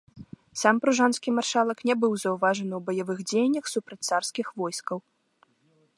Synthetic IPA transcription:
sampɾuʐanskʲimarʂalˠɐknʲɛbɨwzɐwvaʐɐnɨwbɐjavɨɣd͡zʲejnʲːɐxsupɾɐt͡sʲt̪sarskʲixvɔjskɐw

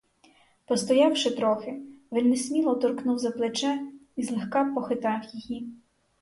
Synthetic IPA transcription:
pɔst̪ɔjɑwʃɪt̪ɾɔxɪʋɛlʲnesmʲilˠɔt̪ɔrknuwzɐplˠet͡ʃɛizlˠexkɑpɔxɪt̪ɑwjiji

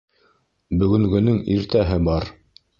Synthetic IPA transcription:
bɵ̆ɡɵ̆ŋɡɵ̆nɵŋiɾt̪æɦɘbɑɾ

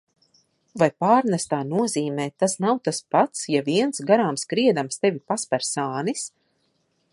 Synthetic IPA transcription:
vajpaːɾnɛst̪aːnuɔziːmɛːt̪asnawt̪aspat̪sjaviɛnsɡaɾaːmskɾiɛd̪amst̪evʲipaspɛɾsaːnis

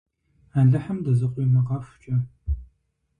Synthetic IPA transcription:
aːɮɐħɐmdɐzɨqʷʼimɐqɑfʷt͡ʃʼɐ

